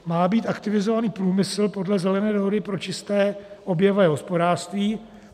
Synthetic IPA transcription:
maːbiːt̪ʔakt̪ɪvɪzovaniːpɾuːmɪsl̩po̞dlɛzɛlɛnɛːdo̞ɦodɪpɾo̞t͡ʃɪst̪ɛːʔo̞bjɛvɛːɦo̞spo̞daːrst̪viː

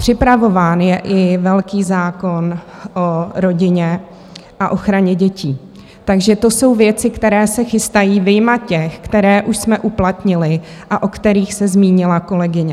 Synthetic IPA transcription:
pr̝̥ɪpɾavo̞vaːnjɛʔɪvɛlkiːzaːko̞nʔoɾo̞ɟɪɲɛ | ʔaʔo̞xɾaɲɛɟɛciː | t̪aɡʒɛt̪o̞so̞wvjɛt͡sɪkt̪ɛɾɛːsɛxɪst̪ajiːvɪjmat̪cɛxkt̪ɛɾɛːʔuʃsmɛʔuplat̪ɲɪlɪʔaʔo̞kt̪ɛɾiːxsɛzmiːɲɪlako̞lɛɡɪɲɛ

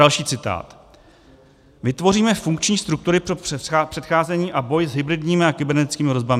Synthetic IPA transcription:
alʃiːt͡sɪt̪a̰ːt̪ | vɪt̪vo̞ɾiːmɛfuŋkt͡ʃɲiːst̪ɾuk̚t̪uɾɪpopr̥ɛt̪xaːzɛɲiːʔabo̞jzɦɪbɾɪdɲiːmɪakɪbɛɾnɛt̪ɪ̥t͡skiːmɪɾo̞zbamɪ

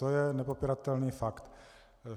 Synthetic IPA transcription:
ojɛnɛpopiɾat̪ɛlniːfakt̪

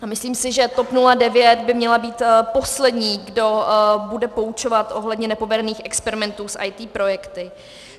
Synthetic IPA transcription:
amɪsliːmsɪʒɛt̪o̞pnuladɛvjɛt̪bɪmɲɛlabiːt̪po̞slɛdɲiːɡdo̞budɛpo̞ut͡ʃo̞vat̪ʔo̞ɦlɛdɲɛnɛpo̞vɛdɛniːxɛkspɛɾɪmɛnt̪uːsʔa̰jt̪iːpɾo̞jɛkt̪ɪ

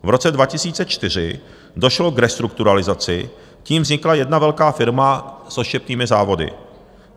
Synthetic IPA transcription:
vɾo̞t͡sɛdvacɪsiːt͡sɛt͡ʃt̪ɪr̝ɪ | do̞ʃlo̞ɡɾɛst̪ɾukt̪uɾalɪzat͡sɪ | ciːmvzɲɪklajɛdnavɛlkaːfɪɾmasʔoʃcɛpniːmɪzaːvo̞dɪ̰

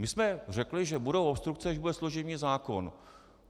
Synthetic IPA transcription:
mɪsmɛr̝ɛklɪʒɛbudowopst̪ɾuk̚t͡sɛaʒbudɛsloʒɪvniːzaːko̞n

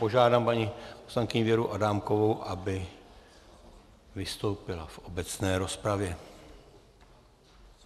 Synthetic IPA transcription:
po̞ʒaːdaːmpaɲiposlaŋkɪɲivjɛɾuʔadaːmko̞vowʔabɪ | vɪst̪o̞wpɪla̰fʔo̞bɛt͡snɛːɾo̞spɾavjɛ

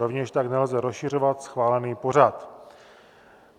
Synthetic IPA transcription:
ovɲɛʃt̪aknɛlzɛɾosʃɪr̝o̞vat̪sxvaːlɛniːpo̞r̝at̪

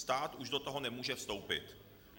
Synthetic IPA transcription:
st̪aːt̪uʒdot̪oɦo̞nɛmuːʒɛfst̪o̞wpɪ̰t̪

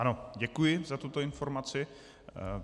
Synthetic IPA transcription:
ʔanoɟɛkujɪzat̪ut̪oɪnfo̞ɾmat͡sɪ

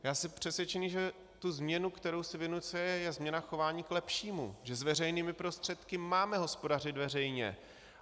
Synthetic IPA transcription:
jaːsɪpr̝̥ɛsʋjɛt͡ʃɛɲiʒɛ | t̪uzmɲɛnukt̪ɛɾowsɪvɪnut͡sɛjɛjɛzmɲɛnaxo̞vaːɲiːklɛpʃiːmṵʒɛzvɛrɛjniːmɪpɾo̞st̪r̥ɛt̪kɪmaːmɛɦo̞spo̞dar̝ɪd̪vɛrɛjɲɛ̰

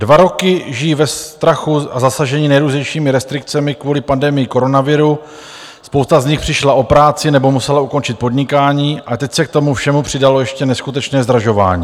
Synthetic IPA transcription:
dvaɾo̞kɪʒɪjivɛst̪ɾaxuazasaʒɛɲiːnɛjɾuːzɲɛjʃiːmɪɾɛst̪ɾɪk̚t͡sɛmɪkvuːlɪpandɛmɪjɪko̞ɾo̞navɪɾu | spowst̪azɲɪxpr̥ɪʃlaʔo̞pɾaːt͡sɪnɛbo̞musɛlauko̞nt͡ʃɪt̪̚po̞dɲɪkaːɲiːat̪ɛcsɛk̚t̪o̞mufʃɛmupr̝̥ɪdalojɛʃcɛnɛskut̪ɛt͡ʃnɛːzd̪ɾaʒo̞va̰ːɲiː

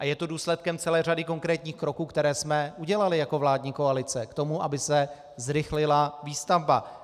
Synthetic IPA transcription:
ʔajɛt̪oduːslɛt̪̚kɛmt͡sɛlɛːradɪko̞ŋkɾɛːt̪ɲiːxkɾo̞kuːkt̪ɛɾɛːsmɛʔuɟɛlalɪjako̞vlaːdɲiːko̞alɪt͡sɛkt̪o̞muʔabɪsɛ | zɾɪxlɪlaviːst̪avba

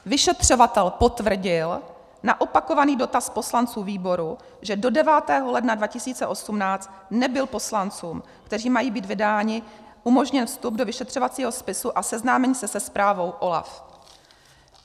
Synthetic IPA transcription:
vɪʃɛt̪r̝̥o̞vat̪ɛlpo̞t̪vr̩ɟɪl | na̰ʔo̞pako̞vaniːdo̞t̪aspo̞slant͡suːviːbo̞ɾu | ʒɛdo̞dɛvaːt̪ɛːɦo̞lɛdnadvacɪsiːt͡sɛʔo̞sumnaːt͡st̪ | nɛbɪlpo̞slant͡suːm | kt̪ɛr̝iːmajiːbiːd̪vɪdaːɲɪʔumo̞ʒɲɛnfst̪ub̚dovɪʃɛt̪r̝̥ovat͡siːɦo̞spɪsuʔasɛznaːmɛɲiːsɛsɛspɾaːvo̞wʔo̞la̰f

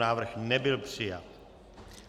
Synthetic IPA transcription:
aːʋr̩xnɛbɪlpsia̰

